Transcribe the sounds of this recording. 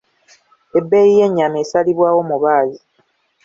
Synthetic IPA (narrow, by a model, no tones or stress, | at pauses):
e̞bːejije̞ɲːameːsaliβwaːwo̞muβaːzi